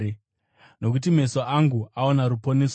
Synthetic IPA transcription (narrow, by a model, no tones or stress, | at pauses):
no̞k̬utim̤e̞soʔaŋɡuaonaɾupo̞nes